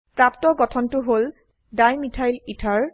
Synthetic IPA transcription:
pɹaptɔɡɔtʰɔntʊɦol | dajmitʰajlitʰaɹ

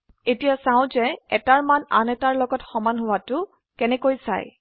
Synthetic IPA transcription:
etijasaʊ̃zɛɛtaɹmana̰nɛtaɹlɔɡɔtxɔmanɦʊwatʊ | kɛnɛkojsa̰j

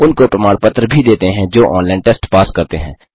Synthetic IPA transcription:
ʊnkopɾɐmaːɽpət̪ɾəbʱid̪eːt̪eɦɛ̃d͡ʒoːʔɔ̃ːnlɛ̃ːɳʈɛːsʈpaːskɐɾt̪eɦɛ̃ː

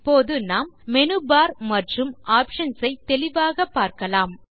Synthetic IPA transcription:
pːoːðɯnaːmːɛnɯbaːɾmɐʈrɯmʔaːpʂɐnsɐɪt̪ːɛlɪʋaːɣɐpːaːɾkɐlaːm

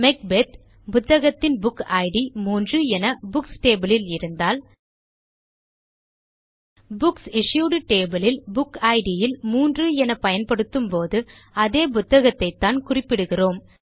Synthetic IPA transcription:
mɛk̚bet̪ | pʊt̪ːɐɣɐt̪ːɪnbʊkɐɪɽimuːndrɯɛnɐbʊksʈeːbɐlɪlɪɾɯnd̪aːl | bʊksɪʂjuːɽɯʈeːbɐlɪlbʊkɐɪɽɪjɪlmuːndrɯɛnɐpɐjɐnpɐɽɯt̪ːɯmpoːðɯ | ɐðeːpʊt̪ːɐɣɐt̪ːɐɪt̪ːaːnkʊrɪpːɪɽɯɣɪroːm

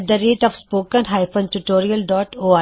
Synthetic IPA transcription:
d̪əɾeːʈɔfspoːkə̃nɦaɪfə̃nʈuʈoːɾijəlɖɔːʈoːa

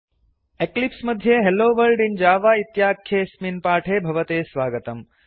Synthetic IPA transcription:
eklipsmɐd̪ʱjeɦelːoːʋɐɾɖind͡ʒaːʋaːit̪jaːkʰːjeːsminpaːʈʰeːbʱɐʋɐt̪eːsʋaːɡɐt̪ɐm

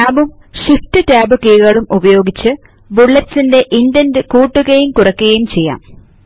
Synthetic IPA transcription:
taːbum | ɕiftɨtaːbɨkiːɣɐɭumubɐjo̞ːɡit͡ɕːɨ | ʋuɭːɐt͡ɕːinde̞ʔindɐndɨkuːʈːuɡejumkurɐkːuɣɐjumt͡ɕe̞jːa̰ːm

